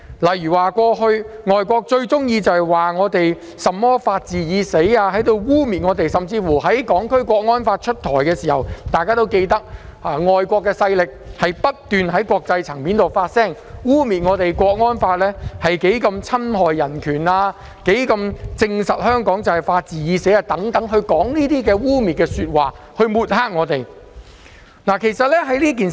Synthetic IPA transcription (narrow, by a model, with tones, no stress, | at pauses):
lɐ˨˩jyː˨˩waː˨kʷɔː˧ɦɵ˧ɥŋɔː˨jkʷɔː˧k̚t͡ʃɵ˧ɥt͡sʊ˥ŋjiː˧t͡sɐ˨whɐ˨˩jwaː˨ŋɔː˨˧t̪e˨j | sɐ˨mːɔː˥faː˧t̚t͡siː˨jiː˨˧se˨˥jaː˧hɐ˨˥jt̪o˧wwuː˥miː˨t̚ŋɔː˨˧t̪e˨jsɐ˨mt͡siː˧fuː˨˩ɦɐ˨˥jkɔː˨˥ŋkʰɵ˥ɥkʷɔː˧k̚ŋɔː˥nfaː˧t̚t͡ʃʰɵ˥t̚t̪ʰɔː˨˩jkɛː˧siː˨˩hɐ̰˨wt̪aː˨jkaː˥t̪o˥wke˧jt̪ɐ˥k̚aː˨˩ŋɔː˨jkʷɔː˧kːɛː˧sɐ˧jlɪ˨k̚hɐ˨jpɐ˥t̚t̪yː˨nhɐ˨˥jkʷɔː˧k̚t͡sɐ˧jt͡sʰɐ˨˩ŋmiː˨˥nt̪o˨wfaː˧t̚sɛː˥˩ŋ | wuː˥miː˨t̚ŋɔː˨˧t̪e˨jkʷɔː˧k̚ŋɔː˥nfaː˧t̚lɛː˥hɐ˨jke˨˥jkɐ˧mt͡sʰɐ˥mɦɔː˨jːɐ˨˩nkʰyː˨˩naː˧ | ke˨˥jkɐ˧mt͡sɪ˧ŋsɐ˨t̚hœː˥ŋkɔː˨˥ŋt͡sɐ˨˩whɐ˨˩jfaː˧t̚t͡siː˨jiː˨˧se˨˥a˨˧t̪ɐ˨˥ŋt̪ɐ˨˥ŋɦɵ˧ɥkɔː˨˥ŋniː˥t̪iː˥kɛː˧wuː˥miː˨t̚kɛː˧syː˧t̚waː˨˩ | hɵ˧ɥmuː˨t̚haː˥k̚ŋɔː˨˧t̪e˨˩j | naː˨˩kʰe˨˩jsɐ˨t̚lɛː˥ɦɐ˨˥jliː˥k̬iː˨n